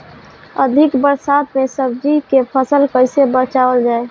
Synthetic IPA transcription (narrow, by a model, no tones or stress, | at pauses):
əd̪ʱɪkbəɾsat̪mesəbd͡ʒikepʰəsəlkəɪsebət͡ʃabəld͡ʒaːe